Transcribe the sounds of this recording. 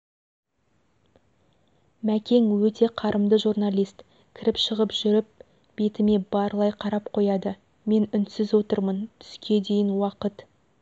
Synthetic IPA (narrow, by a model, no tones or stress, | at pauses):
mækʲe̞ŋwɵt̪e̞qʰɑɾʔəmd̪əʒurnalʲijst̪ | kʲʰɪɾɪpʃəʁəpʒʏɾɪp̚ | b̥e̞t̪ɪme̞bɑɾlˠɑjqʰɑɾɑp̚qʰo̞jɑd̪ə | me̞nʏnt̪sɪzwo̞t̪əɾmənt̪ʰʏ̥skʲe̞d̪e̞jɪnwɑqət̪